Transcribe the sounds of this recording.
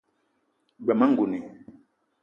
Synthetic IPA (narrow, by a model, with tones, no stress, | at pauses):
ɡ͡ba˨ma˦ŋ˨ɡu˨ni˨